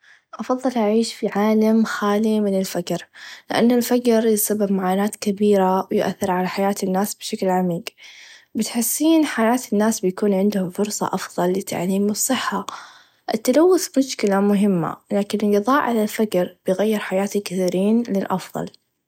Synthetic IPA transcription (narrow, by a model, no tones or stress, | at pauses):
ʔɑfɑðˤːɨlʔaʕiːʃfiʕaːlamxaːlimɪnɪlfad͡ʒɾlɪ̰ʔanːalfad͡ʒɾjɪsabːɪbmaʕaːnaːt̪kabiːɾawjɪʔa̰θːɪɾʕalaħajaːt̪ɪnːaːsbʃaklʕamiːɡbɪt̪ħɪsːiːnħajaːt̪ɪnːaːsbjakuːnʕɪnd̪hʊmfʊɾsˤɑ̰ʔɑfðˤɑlːɪt̪ʰːa̰ʕliːmɨsˤːɨħːa | ʔɪt̪ːalawːʊθmʊʃkɪlamʊɦɪmːa̰laːkɪnɪnɡɨðˤɑːʔʕalalfad͡ʒɾb̥ɪjɣajːɪɾħajaːt̪ikɪθiːɾiːnlɪlʔɑfðˤɑ̰l